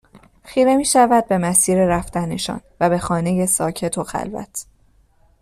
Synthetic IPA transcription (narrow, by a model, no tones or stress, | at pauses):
xiːɾe̞miːʃævæd̪̚be̞mæsiːɾe̞ɾæft̪æneʃɒ̰ːnvæbe̞xɒːne̞je̞sɒːcʰe̞t̪ʰo̞xæ̰lvæ̰t̪ʰ